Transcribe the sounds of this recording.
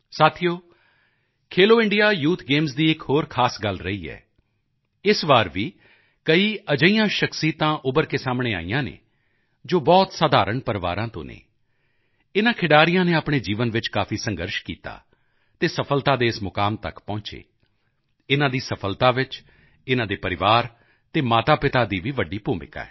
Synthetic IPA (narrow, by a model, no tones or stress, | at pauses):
saːt̪ʰijoː | kʰeːloːɪ̃ɳɖijaːjuːt̪ʰɡeːmsd̪iːɪkɦoːɾkʰaːsɡəlɾəiːɛ̰ː | ɪsʋaːɾʋiː | kəiːəd͡ʒəijãːʃəksiːt̪ãːʔʊbəɾkeːsaːmɽeːa̰ːijãːnḛː | d͡ʒoːbɔːt̪saːd̪ʱaːɾəɳpəɾʋa̰ːɾãːt̪õ̰ːnḛː | ɪnãːkʰɪɽaːɾɪjãːneːaːpɳ̃eːd͡ʒiːʋənʋɪt͡ʃkaːpʰiːsə̃ŋɡəɾʃkḭːt̪a̰ː | t̪eːsəpʰəlt̪aːd̪eːɪsmʊkaːmt̪ə̰kpɔ̃ːt͡ʃḛː | ɪnãːd̪iːsəpʰəlt̪aːʋɪt͡ʃ | ɪnãːd̪eːpəɾɪʋaːɾ | t̪eːmaːt̪aːpɪt̪aːd̪iːʋiːʋəɖːiːpuːmɪ̰ka̰ːɛ̰ː